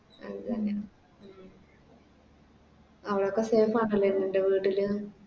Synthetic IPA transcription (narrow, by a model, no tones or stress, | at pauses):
ɐ̰ðɨt̪ɐnːeaɳ | mː | ɐʋiɽokːeseːfaːɳɐlːɐinːindeʋiːʈːilɨ